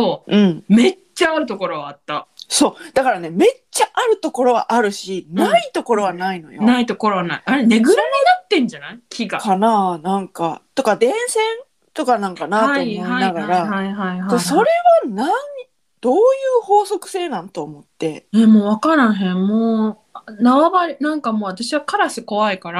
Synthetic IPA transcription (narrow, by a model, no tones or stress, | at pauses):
oːɯ̟̃ɴme̞ | t͡ɕːaːɾɯ̟t̪o̞ko̞ɾo̞βaat̪ːaso̞ːd̪̥akaɾane̞me̞t͡ɕaʔaɾɯ̟t̪o̞ko̞ɾo̞βa̰ʔaɾɯ̟ɕinait̪o̞ko̞ɾo̞βanaino̞̰jo̰nait̪o̞ko̞ɾo̞βanaiʔaɾene̞ɡɯ̟ɾanid̪at̪ːẽ̞ɲ̟d͡ʑanaikʲʰiɡakananãŋkat̪o̞kad̪ẽ̞ɰ̃sẽ̞n | t̪o̞kanãŋkanataoːmoianaɡaɾahaiɦaiɦad̪eso̞ɾe̞βanaɲ | d̪̥o̞ːjɯːho̞ːso̞kɯ̟̥se̞ːnãnt̪o̞ːmo̞t̪ːe̞emoːβakaɾãɰ̃ɦẽ̞mmoː | naβabaɾʲinãŋkamo̞ːat̪aɕiβakaɾasiko̞βaikaɾa